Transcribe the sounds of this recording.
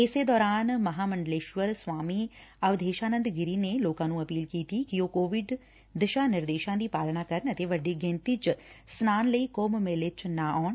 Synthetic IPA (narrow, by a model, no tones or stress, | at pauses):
ɪseːd̪ɔːɾaːnməɦaːməɳɖəleːʃʋəɾswaːmiːəʋd̪eːʃaːnə̃nd̪ɡɪɾiːneloːkãːnũːəpiːlkiːt̪iːkɪoːkoːʋɪɖ | d̪ɪʃaːnɪɾd̪eːʃãːd̪iːpaːlnaːkəɾənət̪eːʋəɖiːɡẽnt̪iːt͡ʃsnaːnləiːkoːmmelɪt͡ʃnãːʔɔːɳ